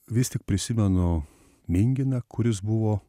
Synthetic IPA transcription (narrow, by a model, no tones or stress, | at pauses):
ʋʲɪst̪ʲɪk̚pʲɾʲɪsʲɪmʲɛnʊ | mʲɪŋʲɡʲɪnɐkʰʊɾʲɪsbʊʋoː